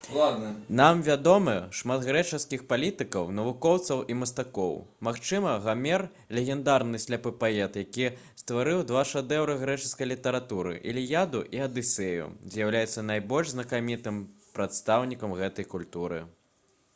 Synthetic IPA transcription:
lˠad̪nɐnamvʲad̪ɔmɨʂmat̪ɣɾɛt͡ʂɐskʲixpalʲit̪ɨkɐwnɐvukɔwt̪sɐwimɐst̪akɔwmaxt͡ʂɨmɐɣamʲɛr | lʲɛɣʲɛnd̪aɾnɨsʲlʲapɨpaɛt̪jakʲist̪vaɾɨwd̪vaʂad̪ɛwɾɨɣɾɛt͡ʂɨskɐjlʲit̪ɐɾat̪uɾɨ̰ʔilʲijad̪ṵʔiɐd̪ɨsɛjṵzʲjawlʲajɛt̪sːɐnajbɔlʲʐznɐkamʲit̪ɨm | pɾat̪st̪awnʲikɐmɣɛt̪ɐjkulʲt̪uɾɨ̰

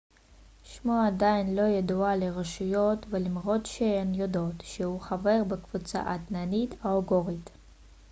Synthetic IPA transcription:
ʃmoadainlo̞jadualeʁaʃujotvelimʁotʃenjodotʃehuχave̞ʁbekv̥ut͡sa̰ʔat̪nanitaoɡoʁit̪

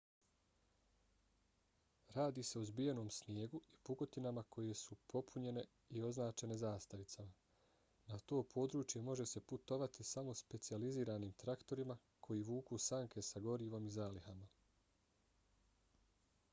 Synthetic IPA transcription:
ɾaːd̪iːse̞ozbije̞no̞ːmsnje̞ːɡuipuɡo̞t̪inamakʰo̞je̞supʰo̞pʰuɲe̞ne̞ | io̞znaːt͡ʃe̞ne̞zaːst̪aʋit̪sama | nat̪o̞ːpʰo̞ːd̪ɾuːt͡ʃje̞mo̞ʒe̞se̞put̪o̞ʋat̪isamo̞spe̞t̪sializiːɾaniːmt̪ɾakt̪o̞ɾima | kʰo̞jiːʋuːkusaŋkʰe̞saɡo̞ɾiːʋo̞mizaːlihama

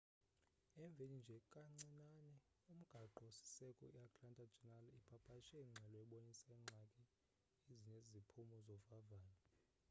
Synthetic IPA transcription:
ɛɱb̪vʱenind͡ʒʱɛkʼaŋ͡ǀinanɛ | um̩ɡ̥ʱaǃɔsi̥sɛkʼɔiakʰʼlantʼad͡ʒʱɛnalipʰapʰaʃɛiŋ͡ǁʱɛlɔɛɓonisɛŋ͡ǁʱakʼi | iziɲezipʰumɔzɔvavaːlɔ

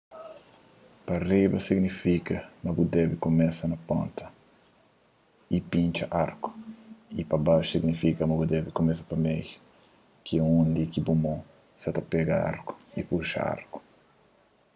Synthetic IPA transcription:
pɐribɐsiɡnifikɐmɐbud̪ɛbikomɛsɐnɐpõnt̪ɐ | ipĩɲt͡ʃɐʔaɾku̥ipɐbawʃsiɡnifikɐmɐbud̪ɛbikomɛsɐ̥pɐmej | kiũũnd̪ikibumõ | sɐt̪ɐpɛɡɐa̰ɾku̥ipuʃɐ̰a̰ɾku̥

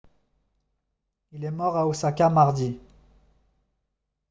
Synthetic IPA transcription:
ilɛmɔʁaosakʲamaʁd̪i

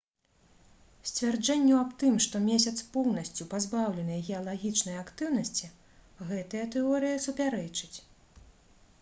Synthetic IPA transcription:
sʲt͡sʲvʲard͡ʐɛnʲːuapt̪ɨmʂt̪ɔmʲesʲɐt̪spɔwnɐsʲt͡sʲupazbawlʲɛnɨjɐɣʲɛjɐlˠaɣʲit͡ʂnɨjɐakt̪ɨwnɐsʲt͡sʲi | ɣɛt̪ɨjɐt̪ɛɔɾɨjɐsupʲaɾɛt͡ʂɨt͡sʲ

